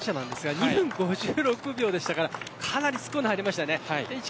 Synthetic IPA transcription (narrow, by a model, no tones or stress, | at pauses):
ɕanãnd̪e̞sɨɡaɲihɯ̃ŋɡo̞ʑɨːɾo̞kɯ̟bʲo̞ːd̪e̞ɕi̥t̪akaɾakʰanaɾʲisɨ̥konhaɾʲimaɕi̥t̪ane̞aid̪ei